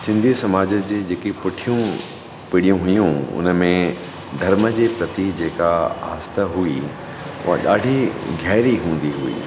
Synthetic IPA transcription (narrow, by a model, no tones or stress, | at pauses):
sɪ̃nd̪ʱisɐmaːd͡ʑəd͡ʑeːd͡ʑeːkipʊʈʰijũ | pɪɽijũɦʊjũʊ̰nəmẽ | d̪ʱɐɾməd͡ʑeːpɾɐt̪id͡ʑeːkaɦa̰ːst̪əɦui | ʊ̰ɦa̰ɗa̰ːɖʱiɡʱɛːɾiɦũːn̆d̪iɦuḭː